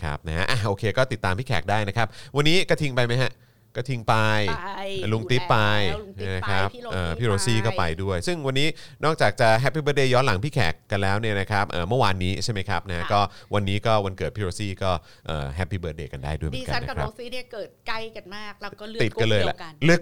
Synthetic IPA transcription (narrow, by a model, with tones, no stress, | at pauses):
kʰa̰˦˥p̚na˦˥ɦa̰˦˥ʔa˨˩ʔoː˧kʰeː˧kɔː˥˩t̪i˨˩t̪ːaː˧mpʰiː˥˩kʰɛ̰ː˨˩k̚daː˥˩jna˦˥kʰa˦˥p̚wa˧nːiː˦˥kɔː˥˩t̪ʰi˧ŋpa˧jma˦˥jɦa˦˥ | kɔː˥˩t̪ʰi˧ŋpa˧jlu˧ŋi˦˥ppːa˧jna˦˥kʰɾa˦˥p̚ʔəː˧˨˩pʰiː˥ɾoː˧siː˥˩kɔː˥˩pa˧jdu˥˩əjsɯ˥˩ŋwa˧nːiː˦˥ | nɔː˥˩k̚t͡ɕaː˨˩k̚t͡ɕa˨˩ɦɛ˦˥pːi˥˩bəː˧˥t̚deː˧˩jɔː˦˥la˩˦ŋpʰiː˥˩kʰɛ̰ː˨˩kːa˧nlɛː˦˥wni˥˩ɐna˦˥kʰa˦˥p̚ʔɤː˨˩mɯ˥˩waː˧nːiː˦˥t͡ɕʰa˥˩jma˦˥jkʰɾa˦˥p̚na˦˥a˦˥kɔː˥˩wa˧nːiː˦˥kɔː˥˩wa˧nkɤː˨˩t̪̚pʰiː˥ɾoː˧siː˥˩kɔː˥˩ | ʔə̰ː˨˩ɦpːiː˧bəː˦˥t̚deː˧˩ka˧ndaː˥˩jdu˥˩jm˩˦ka˦n̰˦˧kʰa̰˦˥˧n˥kɤː˨˩t̪̚ka˥˩jka˧nmaː˥˩k̚lːt̪i˨˩ka˧˩lɤː˧jlɛ̰˨˩˧lɯ˥˩k̚